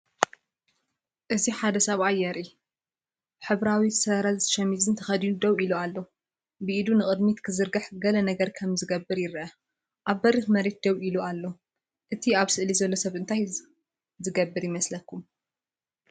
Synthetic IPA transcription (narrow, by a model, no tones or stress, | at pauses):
ʔɨziħad̪ɐsɐβʔajːɛɾi | ħɨβɾawisɐɾɐlt̪ʰɐ̥ʃɐmizɨnt̪ʰɐxɐd̪inud̪ɐβʔilualːo | bɨʔid̪unɨkʼɨd̪mit̪kʰɨzɨɾɡɨħɡɐlɐnɐɡɐɾkʰɐmzɨɡɐbːɨɾjɪɾʔɐ | ʔaβːɐɾixmɐɾe̞t̪̚d̪ɐwʔilualːo | ʔɨt̪ʰiaβsɨʔlizɐlːo̞sɐβʔɨnt̪ʰaj | zɨɡɐbːɨɾjɪmɐslɐkʰːum